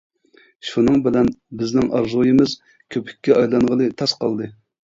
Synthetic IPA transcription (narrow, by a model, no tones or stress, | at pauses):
ʃunɨŋbɪlɛnbɪznɪŋʔɑ̰ɾzojɨmɨz | kʲʰøpʰɪ̥kʲːɛɑjlˠɑŋʁəlˠɨt̪ʰɑsqɑlˠd̪ɨ